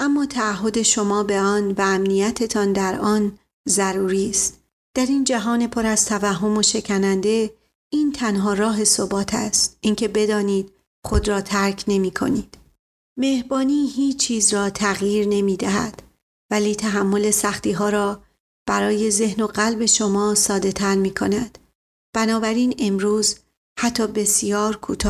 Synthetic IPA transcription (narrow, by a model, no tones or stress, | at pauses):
ʔæmːɒːt̪ʰæːɦːo̞d̪e̞ʃo̞mɒːbe̞ɒːnvææmnijæt̪ʰe̞t̪ʰɒːnd̪æɾɒːn | zæɾuːɾiːst̪ | d̪̥æɾind͡ʒæɦɒːne̞pʰo̞ɾæz̥t̪ʰævæɦːo̞mo̞ʃe̞kʰænænd̪e̞ | iːnt̪ʰænɦɒːɾɒːɦe̞sobɒːt̪ʰæ̰st̪̚ʔiːncʰe̞be̞d̪ɒːniːd̪̥ | xo̞d̪ɾɒːt̪ʰæɾkʰne̞miːkʰo̞̰niːd̪̥ | me̞hbɒːniːhiːt͡ʃt͡ʃʰːiːzrɒːt̪ʰæɣjiːɾne̞miːd̪æɦæ̰d̪̥ | væliːt̪ʰæɦæmːo̞le̞sæxt̪iːɦɒːɾɒː | b̥æɾɒːje̞ze̞hno̞ɢælbe̞ʃo̞mɒːsɒːd̪e̞t̪ʰæɾmiːkʰo̞næd̪̥ | b̥ænɒːbæɾiːne̞mɾuːz | hæt̪ʰːɒːbe̞sijɒːɾkʰṵːt̪ʰɒː